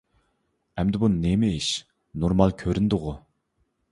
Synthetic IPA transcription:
ɛmd̪ɪbunnemɪiʃ | noɾmɑlˠkʲʰøɾynd̪ʊʁʊ

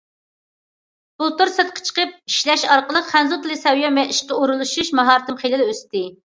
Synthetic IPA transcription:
b̥ulˠt̪uɾsɛt̪̚qʰə̥t͡ʃʰə̥qəp̚iʃlɛʃɑɾqəlˠəqχænzut̪ɨlˠɨsɛwjɑmɛiʃqɑuɾulˠuʃuʃmɑɦɑɾt̪ɨmχelɨlɛøst̪ɪ

